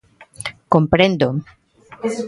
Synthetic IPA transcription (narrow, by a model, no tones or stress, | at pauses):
kompɾẽnd̪o